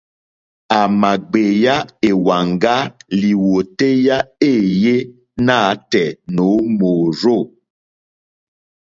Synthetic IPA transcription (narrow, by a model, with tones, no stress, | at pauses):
a˨ma˨ɡ͡be˨ja˦e˨wa˨ŋɡa˦li˨wo˨te˦ja˦e˦˨je˦ | na˦˨˦tɛ˨no˨˦moː˨ɾo˦˨